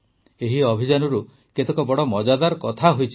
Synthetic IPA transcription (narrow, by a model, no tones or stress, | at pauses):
eɦiɔbʱid͡ʒanɔɾu | ket̪ekɔbɔɽɔmɔd͡ʒad̪aɾkɔt̪ʰaɦojt͡ʃʰi